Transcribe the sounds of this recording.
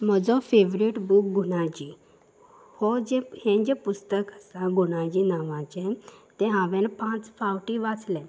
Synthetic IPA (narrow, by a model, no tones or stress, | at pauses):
m̤əd͡zɔfeʋɾiʈbuk̚ɡuɽãt͡ɕi | hɔd͡ʑɛ̃hɛ̃d͡ʑepust̪əkəsãɡuɽ̃ãd͡ʑinaʋãt͡ɕɛ̃t̪ɛ̃ɦãʋɛ̃npãt͡sfawʈiʋat͡slɛ̃